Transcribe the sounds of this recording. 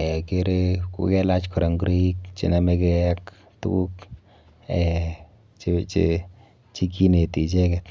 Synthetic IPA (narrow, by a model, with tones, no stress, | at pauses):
ɛ˨ke˦ɾekṵ˨˦kɛ˦la˦t͡ʃkʰɔ˨ɾa˨ŋɡɾi˦k̚t͡ʃḭ˨na˦me˦kea˦k | tṵku˦k | ɛ˨ | t͡ʃt͡ʃe | t͡ʃi˦ki˦ne˨ti˨t͡ʃe˦kɛ˨t